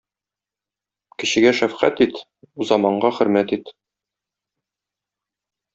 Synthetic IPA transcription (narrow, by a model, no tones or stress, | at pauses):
kɘ̆ɕɘ̆ɡæʃæfqæ̰t̪it̪ | uzɑmɑɴɢɑχɘ̆ɾmæt̪it̪